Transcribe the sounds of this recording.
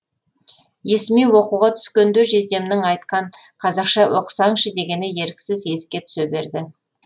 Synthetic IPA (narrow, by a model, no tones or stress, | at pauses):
je̞sɪmijwo̞quʁɑt̪ʰʏ̥skʲe̞nd̪ʏʒe̞zd̪e̞mnɪŋɑjt̪̚qɑɴqʰɑzɑqʃɑwʔo̞qsɑŋʃəd̪e̞ɡʲe̞nɪje̞ɾkʲɪ̥sɪze̞skʲe̞t̪ʰʏ̥sebe̞ɾd̪ɪ